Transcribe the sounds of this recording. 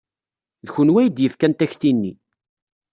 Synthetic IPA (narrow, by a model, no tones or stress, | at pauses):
ðçənwæjd̪jəθkænt̪æçθinːi